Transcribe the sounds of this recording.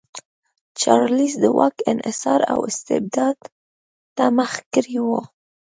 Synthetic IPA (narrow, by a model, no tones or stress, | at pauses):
t͡ʃɑɾlisd̪əwʔɑkɪnʔɪsɑɾa̰wɪst̪ɪ̰b̚d̪ɑd̪ | t̪amaxkəɾiwo